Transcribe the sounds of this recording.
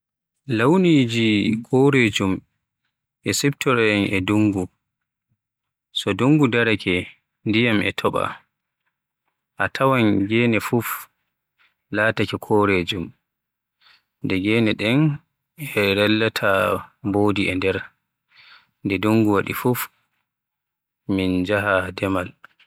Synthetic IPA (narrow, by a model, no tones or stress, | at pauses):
lawnid͡ʒikʰɔɾed͡ʒum | ʔɛsɛptʰɔɾɛnʔɛduŋɡu | sɔduŋɡudaɾakʰɛ | ndijamɛ̰tʰɔɓa̰ | ʔatʰawanɡɛːnɛfuf | laːtakɛkʰɔɾed͡ʒum | ndɛɡɛːnɛɗɛn | ɛɾɛlːatʰaboːdiɛndɛɾ | ndɛduŋɡuwaɗifuf | mind͡ʒaɦadɛmal